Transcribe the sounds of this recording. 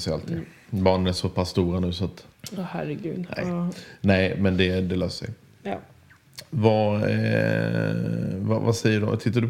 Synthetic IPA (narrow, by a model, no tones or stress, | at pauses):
sɛjalt̪ʰɪŋ | bɑːɳənæʂɔpʰasːt̪uːɾanʉ̟ːsɔt̪ːhæɾɛɡʉːd̪nɛ̰jnɛɪmɛnd̪ɛd̪ɛløːsʂɛ̰j | va | va̰va̰sɛjːəɖɔ̰t̪ʰɪt̪ːaɖɵ